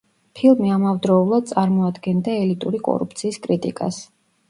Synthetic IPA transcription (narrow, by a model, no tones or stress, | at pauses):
pʰilˠmiamavd̪ɾɔulˠad̪̚t̪sʼaɾmɔad̪ɡɛnd̪aɛlit̪ʼuɾikʼɔ̰ɾṵp̚ʰt̪sʰiːskʼɾit̪ʼḭkʼa̰s